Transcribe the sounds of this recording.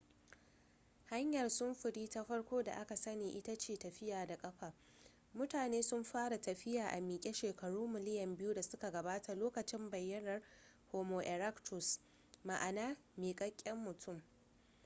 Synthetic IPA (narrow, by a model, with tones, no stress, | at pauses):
ha˦ɲjɐ˨rsʊ˦mɸʊ˨ɽiː˦ta˦ɸɐ˦rkʷoː˦da̰˨ʔa˦ka˨sɐ˦neː˨ʔɪ˦ta˦t͡ʃeː˨tɐ˨ɸɪ˦jaː˨da˨kʼɐ˦ɸaː˨ | mʊ˦taː˨neː˦sʊ˦mɸaː˦ɽa˨tɐ˨ɸɪ˦jaː˨ʔa̰˨miː˨kʲʼe˦ʃeː˨kɐ˨ɽuː˦mɪ˨lɪ˦jɐ˨mbɪ˦juː˦da˨sʊ˦ka˨ɡɐ˨baː˦tʰa˨loː˦kɐ˨t͡ʃɪ˦mbɐ˨jːɐ˦nɐ˨r | hoː˨moː˨ʔɛ˨ɾa˦ktʊ˨s | ma˨ʔa˨naː˦ | meː˨kʼɐ˦kʲʼːɛ˦mːʊ˨tʰʊ˦˨m